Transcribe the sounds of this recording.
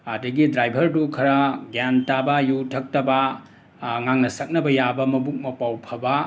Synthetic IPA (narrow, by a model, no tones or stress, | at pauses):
adɐɡidɾajbʱɐɾdukʰɐɾɐɡantabɐjutʰɐk̚tɐbɐ | ŋaŋnɐsɐk̚nɐbɐjabɐmɐbuk̚mɐpawpʰɐbɐ